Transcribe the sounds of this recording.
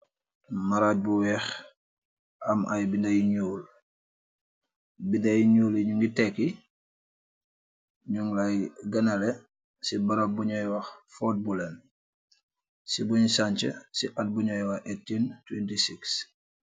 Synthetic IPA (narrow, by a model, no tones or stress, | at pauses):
maɾat̚buwɛx | ɐmʔɐjbindajiɲuːl | bindɐjiɲuːliɲuŋɡitekːi | ɲuŋlajɡɐnɐlɛ | sibɐɾabuɲɔjwɐxfɔt̚bulɛn | sibuɲsaɲt͡ʃə̰siʔɐt̚buɲɔjwɐetːintwentisiks